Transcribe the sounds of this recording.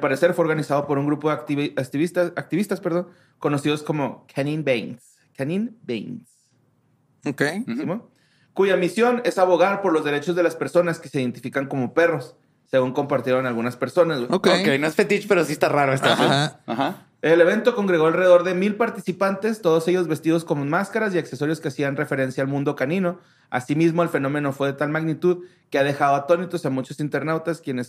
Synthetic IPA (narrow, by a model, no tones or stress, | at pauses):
lpaɾese̞ɾfweoɾɣanisað̞o̞po̞ɾuŋɡɾupo̞ðet̪iiβist̪aak̚t̪iβist̪aspeɾð̞o̞n | ko̞no̞sið̞o̞sko̞mo̞kʰanĩnbejns | kaninbḛjns | okejsimo | kuʝamisjo̞ne̞saβo̞ɣaɾpo̞ɾlo̞zðe̞ɾe̞t͡ʃo̞zðe̞laspe̞ɾso̞naske̞se̞ðent̪ifikaŋko̞mo̞pe̞ro̞sː | e̞ɣuŋko̞mpaɾt̪je̞ɾo̞nalɣunaspe̞ɾso̞nazɣweokokejnoesfet̪it͡ʃpe̞ɾos̬iest̪araɾoest̪aeaaha | ele̞β̞e̞nt̪o̞ko̞ŋɡɾe̞ɣo̞alreðo̞ɾðe̞milpaɾt̪isipant̪e̞st̪o̞ð̞o̞se̞ʝo̞zβe̞st̪ið̞o̞sko̞mmaskaɾasiakse̞so̞ɾjo̞ske̞asianre̞fe̞ɾe̞nsjaːlmũnd̪o̞kanĩno̞ | a̰simizmo̞elfe̞nõ̞me̞no̞fwe̞ðe̞t̪almaɣnit̪uð | keað̞e̞xaðo̞at̪o̞nit̪o̞samut͡ʃo̞sint̪e̞ɾnawt̪askje̞nes